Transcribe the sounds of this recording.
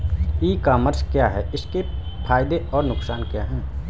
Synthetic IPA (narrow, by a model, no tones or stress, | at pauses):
iːkaːməɾskjaɦɛːʔɪske | pʰaːɪd̪eɔːɾnʊksaːnkjaːɦɛ̃ː